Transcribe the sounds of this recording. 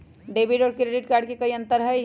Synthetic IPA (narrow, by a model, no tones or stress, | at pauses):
ɖeːbiʈɔːɾkɾeːɖɪʈ̚kaːɾɖ̚kekɐiɐ̃nt̪əɾɦəj